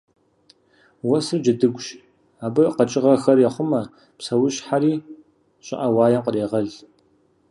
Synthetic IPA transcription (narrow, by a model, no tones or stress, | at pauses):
wɐsɨrd͡ʒɪdɨɡʷʼʃ | aːbɨqɐt͡ʃʼɪʁɐxɐrjɛχʷʊmɐ | psɐwʊɕħaɾiː | ɕʼɪ̰ʔɐwaːjɐmqəreːʁɐɮ